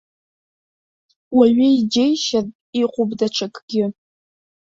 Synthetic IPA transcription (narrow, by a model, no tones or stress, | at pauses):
waɥɪjd͡ʒejʃað | iqʷʊbdɐʈ͡ʂʰakʼɡ̥ʲɪ